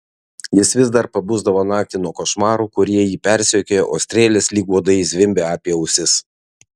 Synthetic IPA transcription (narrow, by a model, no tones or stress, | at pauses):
jɪsʋʲɪzd̪ɐɾpɐbuzd̪ɐʋoːnɑːk̚t̪ʲɪnuɔkoʃmɑːɾuːkʊɾʲiɛjiːpʲɛɾʲsʲoːkʲoːjɛʔoːsʲt̪ʲɾʲeːlʲeːslʲiːɡuɔd̪ɐɪsʲʋʲɪmʲbʲeːɑːpʲiɛʊsʲɪs